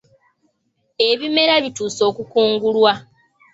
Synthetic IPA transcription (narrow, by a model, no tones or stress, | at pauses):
e̞βime̞ɾaβituːso̞ːkukuːŋɡulwa